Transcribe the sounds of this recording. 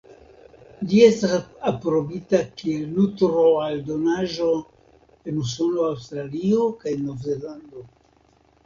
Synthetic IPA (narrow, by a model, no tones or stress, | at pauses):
lie̞stasapɾo̞bitakielːutɾo̞aldo̞naʒo̞ | e̞nusuloawstɾalio̞kajnːo̞vzelando̞